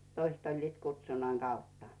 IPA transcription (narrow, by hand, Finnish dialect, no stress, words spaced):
toist olʲliːt kutsunːɑŋ ɡ̊ɑutːɑ